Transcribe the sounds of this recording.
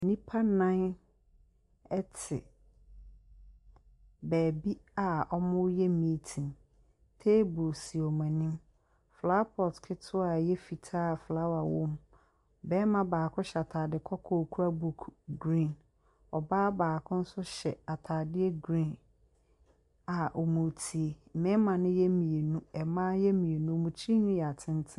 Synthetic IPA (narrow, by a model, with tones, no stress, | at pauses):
nĩ˦pʰa˦nã˦n | ɛ˦tʰɪ̰˨ | bæː˨bi˦a˨ɔ˦mʊ̃˦jɛ˦mĩ˦tʰĩ˨n | tʰe˦bu˨si˨ɔ˨mã˨nĩ˦m | fla˦pʰɔ˨tkʰɪ˦tʰʊ˦a˨jɛ˦fi˨tʰaː˦˨flaː˦wa˨wʊ̃˦m | bɛ˦mã˦baː˨kʰʊ̃˦ɕɛ˨a˨tʰaː˨dɪ˨kʰɔ˦kʰɔ˦˨kʰu˦ɾa˦bu˦kʰɡɾĩ˦˨n | ɔ˨baː˦baː˨kʰʊ̃˦n̩˦sʊ˦ɕɛ˨a˨tʰaː˨dɪ˦ɛ˦ɡɾĩ˦˨n | a˨ʔo˨mũ˨tʰi˨e˨mɪ̃˦mã˨nɪ̃˦jɛ˦mĩ˨e˨nũ˦ɛ˨mãː˦jɛ˦mĩ˨e˨nũ˦ɔ˨mũ˨t͡ɕʰi˦ɲũ˦jɛ˨a˨tʰɪ̃˦n˦tʰɪ̃˦